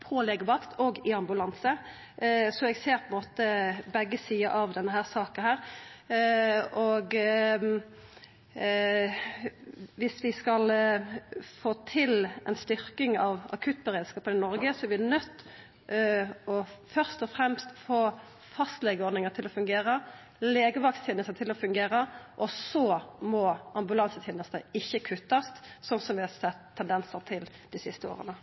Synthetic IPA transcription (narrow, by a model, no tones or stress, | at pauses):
pʰɔlɛɡəʋɑkt̪ʰɔɡɪɑmbʉlɑnsə | sɔɛɡseːɾpʰɔɛnmoːt̪əbɛɡːəsiːɑʔɑʋd̪ɛnːəɦæːʁsɑːkənhæːʁ | ɔɡ | ʋɪsʋɪskɑl | foːt̪ʰɪlɛ̰nst̪ʏɾkɪŋɑʋɑ̰kʰʉt̪̚bɛʁeːd̪skɑːpənɪnɔɾɡəsɔæɾʋɪnœt̪ː | ɔfœʁst̪ɔfɾɛmst̪foː | fɑst̪lɛɡəɔd̪nɪŋət̪ʰɪlɔfʉŋɡeːɾə | leːɡəʋɑkst̪ʰjeːnəst̪ət̪ʰɪlɔfʉŋɡeːɾəʔɔsɔmɔʔɑmbʉlɑnsət̪ʰeːnəst̪əɪçːəkʰʉt̪ːɑst̪sɔnsɔmʋɪhɑsɛt̪ʰːɛnd̪ɛnsəɾt̪ʰɪl | d̪̥ɪsɪst̪əo̰ːʁənə